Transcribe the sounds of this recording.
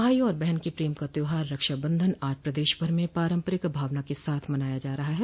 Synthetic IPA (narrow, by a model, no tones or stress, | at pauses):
aːiɔːɾbɛɦɛnkepɾiːmkat̪oɦaːɾːɐkʃabɐ̃nd̪ʱənaːd͡ʒpɾɐd̪eːʃbʱɐɾmẽpaːɾə̃mpəɾɪkbʱaːʋnakesaːt̪ʰmɐnaːjad͡ʒaːɾɐɦaɦɛː